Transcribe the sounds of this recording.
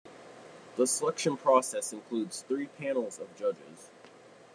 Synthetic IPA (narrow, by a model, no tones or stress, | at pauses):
ðəsəlɛkʃɨ̃npʰɹ̥ɔsɛsɨ̃nkʰl̥udz̥θɹipʰæ̃nl̩ˠzʌvd͡ʒʌd͡ʒɪ̰z̥